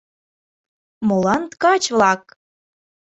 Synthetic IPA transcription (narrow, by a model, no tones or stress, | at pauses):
molɑnt̪kɑt͡ɕvlɑk